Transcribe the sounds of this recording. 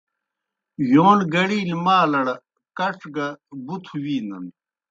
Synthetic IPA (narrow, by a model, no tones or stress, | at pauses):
joːnɡɐɽiːlmaːlɐɽɐ | kɐʂɡɐbut̪ʰuwiːnɐ̰n